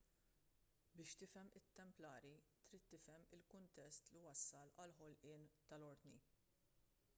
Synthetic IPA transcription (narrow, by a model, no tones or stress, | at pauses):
bɪːʃt̪ɪfɛmɪt̪ːɛmplɐːɾit̪ɾiːt̪ːɪfɛmɪlkʊnt̪ɛst̪liwɐsːɐlɐlħɔlʔɪːnt̪ɐlɔɾd̪ni